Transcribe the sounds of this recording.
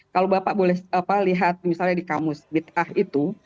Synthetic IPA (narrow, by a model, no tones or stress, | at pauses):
kalobapaʔbolɛhapaliɦat̪̚misalɲadikamʊsbit̪̚ahit̪u